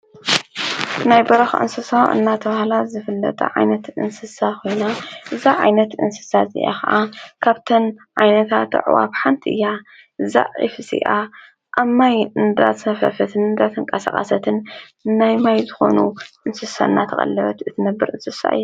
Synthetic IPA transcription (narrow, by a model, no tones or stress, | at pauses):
najbɐɾɐxʔɨ̰nsɨsaʔɨ̰nːat̪ʰɐβahlazɨfɨlːɐ̰t̪ʼɐ̰ʕa̰jnɐt̪ʔɨ̰nsɨsakʰo̞jnaʔɨzaʕa̰jnɐt̪ʔɨ̰nsɨ̥sazɨ̰ʔa̰kɐʔakʰaβt̪ʰɐnʕajnɐt̪ʰat̪ɨ̰ʕ̰wa̰βħant̪ʰiʔɨ̰jːa | ʔɨza̰ʕḭfɨsḭʔa | ʔamːajɨnd̪a̰t̪ɐfɐ̰fɐt̪ʰɨnɨnd̪at̪ʰɨŋkʼɐsa̰qʼa̰sɐt̪ʰɨnnajmajzɨxo̞̰nuʔɨnsɨsaɨnːat̪ʰɐxʼɐ̰lːɐβɐt̪ɨt̪ʰɨnɐbːɨɾɨnsɨsa̰ʔɨ̰jːu